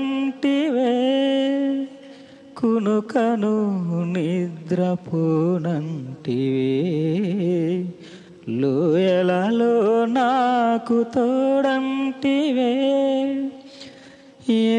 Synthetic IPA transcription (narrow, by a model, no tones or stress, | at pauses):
nʈiʋe | kunukɐnunid̪ɾɐpoːnɐɳʈiʋe | lojɛlɐlonakut̪ɔːɽɐnʈiʋe